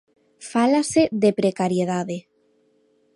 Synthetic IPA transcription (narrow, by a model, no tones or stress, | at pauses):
falaseðepɾekaɾjeð̞aðe